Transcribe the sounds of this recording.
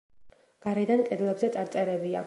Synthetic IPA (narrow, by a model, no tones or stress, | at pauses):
ɡ̥aɾɛd̪ankʼɛd̪lˠɛbzɛt̪sʼaɾt̪sʼɛɾɛbia̰